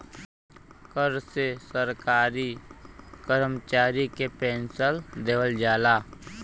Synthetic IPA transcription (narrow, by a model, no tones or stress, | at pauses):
kəɾsesəɾkaːɾi | kəɾmt͡ʃaːɾikepɛ̃ːnsəld̪eːʋəld͡ʒaːlaː